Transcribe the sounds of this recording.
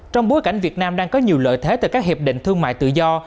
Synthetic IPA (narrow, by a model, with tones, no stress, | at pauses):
t͡ɕɔ˧wŋ͡mɓo˨˦jka˧˩jŋ̟vi˨˩ət̚naː˧mɗaː˧ŋkɔ˨˦ɲi˨˩əwlə̰ː˧˨jt̪ʰe˨˦t̪ɨ˨˧˩kaː˦˥k̚hi˨˩p̚ɗḭ̈˧˨ŋ̟t̪ʰɨ˧əŋma̰ː˧˨jt̪ɨ̰˧˨zɔ˧